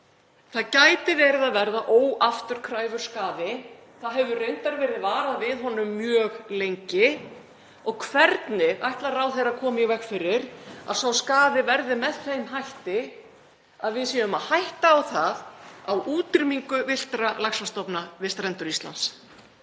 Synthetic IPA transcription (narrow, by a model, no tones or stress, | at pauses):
θaðcaːjt̪ɪvɛːɾɪðaðvɛɾðaʔoːwaft̪ʏɾ̥kʰɾaːjvʏɾ̥skaːðɪ | θaðɦɛvʏreɥnt̪aɾvɛːɾɪðvaːɾaðvɪðɦɔnʏmːjœːɣlejɲcɪ | ɔɣkʰv̥ɛɾt̪nɪʔajht̪laɾawθejɾakʰɔːmɪivɛxkfɪɾɪɾa̰ðsawskaːðɪvɛɾðɪmɛðθejmɦajht̪ɪ | aðvɪðsiːaʏmaðhajht̪aːwθaðawuːt̪ɪɾmiŋkʏvɪl̥t̪ɾalaksast̪ɔpnavɪst̪ɾɛnt̪ʏɾist̪la̰ns